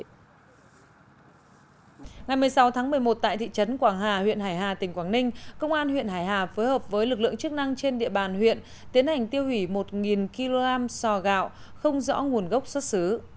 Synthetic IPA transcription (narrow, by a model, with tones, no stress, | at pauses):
ŋa˨˩jm˨˩əjsa˨˦wt̪ʰaː˨˦ŋmɨ˨˩əjmo˨˩t̚t̪a̰ː˧˨t̪ḭ˧˨t͡ɕə˨˦nkwaː˧˩ŋɦaː˨˩hwḭ˧˨ənɦaː˧˩jɦaː˨˩t̪ï˨˩ŋ̟kwaː˧˩ŋnï˧ŋ̟kə˧wŋ͡mʔaː˧nhwḭ˧˨ənhaː˧˩jɦaː˨˩foː˨˦jhəː˨˩p̚vəː˨˦jlɨ˨˩k̬̚lɨ̰˧˨əŋt͡ɕɨ˦˥k̚na˧ŋt͡ɕe˧nɗḭ˧˨əɓaː˨˩nhwḭ˧˨ən | t̪i˨˦ənha˨˩jŋ̟t̪i˧əwhi˧˩mo˨˩t̚ŋi˨˩nki˧lo˧ɣaː˧msɔ˧˩ɣa̰ː˧˨w | xə˧wŋ͡mzɔ̰˧˥ŋu˨˩ənɣə˦˥wk͡p̚swə˦˥t̚sɨ˨˦